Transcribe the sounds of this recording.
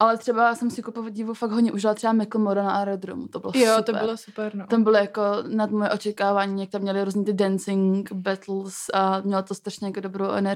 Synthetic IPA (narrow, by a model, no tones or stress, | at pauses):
ʔalɛt̪r̥ɛbajasɛmsɪkupovɟɪvufakɡɦɟɲɛʔuʒɪlat̪r̥ɛbamɪkl̩modanaʔaɾɛd̪ɾo̰mṵt̪obɪ̰lojsop̪ob̰ɾɪlosupɛɾnot̪ambɪlojakonad̪mojɛʔo̞t͡ʃɛkaːvaːɲiːjak̚t̪amːɲɛlɪɾuːzɲiːt̪ɪdɛnt͡sɪŋkbɛt̪l̩samɲɛlot̪ost̪ɾaʃɲɛjakodobɾowʔɛ̰nɛɾ